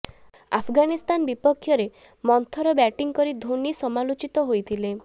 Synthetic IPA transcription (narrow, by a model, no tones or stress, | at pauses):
a̰pʰɡanist̪anbipɔkʰːjɔɾe | mɔnt̪ʰɔɾɔbɛʈiŋkɔɾid̪ʱonisɔmalot͡ʃit̪ɔɦojt̪ʰile